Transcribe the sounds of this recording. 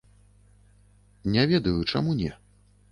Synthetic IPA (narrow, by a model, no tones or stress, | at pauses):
nʲɛvʲɛd̪ɐjut͡ʂa̰munʲɛ